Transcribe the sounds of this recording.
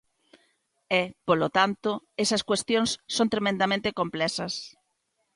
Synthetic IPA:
ɛpolot̪ant̪oɛsɐskwest̪jonsːõnt̪ɾemẽnd̪amẽnt̪ekomplɛsɐs

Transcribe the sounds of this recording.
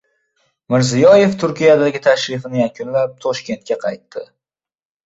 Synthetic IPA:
mɪɾzɪjɒje̞ft̪ʰʊɾkʲʰijad̪aɡʲɪt̪ʰaʃɾɪfɪnɪjakʰʲʊnlap̚t̪ʰɒʃkʲe̞nt̪̚kʲaqʰɑjt̪ːɪ

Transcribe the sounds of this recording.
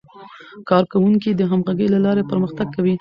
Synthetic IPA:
kɑɾkawuŋkid̪əɦamɣaɡəjlalɑɾepəɾməxt̪aɡ̚kːawi

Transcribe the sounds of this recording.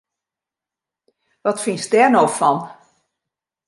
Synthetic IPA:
ʋɔtfinsdɛnofɔn

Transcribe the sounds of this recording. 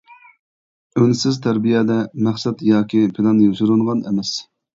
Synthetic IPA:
ønɪsɪzt̪ʰæɾbijɛd̪ɛmæχsɛt̪jɑːkʲipʰɪlˠɑnjoʃuɾɨnʁɑnɛmɛs

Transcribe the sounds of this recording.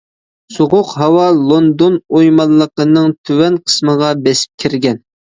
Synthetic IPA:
soʁʊqɦɑwɑlˠond̪onojmɑnˠːəqənɨŋt̪ʰywɛnqʰə̥sməʁɑbɛsɪ̥p̚kʲʰiɾɡʲɛn

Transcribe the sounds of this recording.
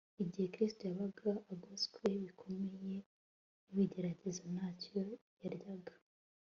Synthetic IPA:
iɟihe̞kɾistojaβaɡaʔːɡoskwe̞βikʰo̞me̞je̞ | uβiɟeɾaɟezanaːco̞jaɾjaɡḁ

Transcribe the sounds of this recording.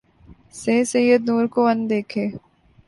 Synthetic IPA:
seːsejəd̪nuːɾkoɐ̃nd̪eːkʰeː

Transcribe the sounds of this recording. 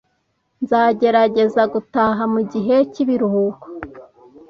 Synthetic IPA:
nzaːɟe̞ɾaɟe̞zaɡutaɦamuɟiɦe̞ciβiɾuhuko̥

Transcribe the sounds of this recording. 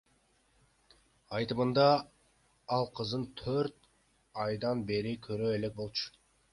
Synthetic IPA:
ɑjt̪ɯmɯnd̪ɑ | ɑlˠqʰɯzd̪ɯnt̪ʰøɾt̪ | ɑjd̪ɑnbe̞ɾɪkʰøɾøele̞k̚bo̞lˠt͡ʃʊ̥

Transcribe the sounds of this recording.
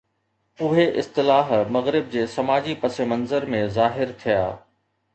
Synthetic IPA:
ʊɦeʔɪst̪ɪlaːɦmɐɣɾɪb̚d͡ʑeːsɐmaːd͡ʑipɐsemɐnzəɾmẽzaːɦɪɾt̪ʰija̰ː

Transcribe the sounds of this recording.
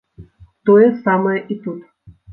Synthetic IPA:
t̪ɔjɛsamɐjɛʔit̪ut̪

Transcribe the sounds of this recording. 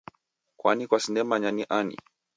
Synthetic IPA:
kwa̰nikwasindɛmaɲaniʔanḭ

